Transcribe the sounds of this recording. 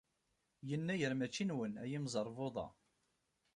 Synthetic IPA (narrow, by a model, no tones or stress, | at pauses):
jənːæjəɾmæt͡ʃːinwənæjimzˤəɾˤvoðˤɑ̰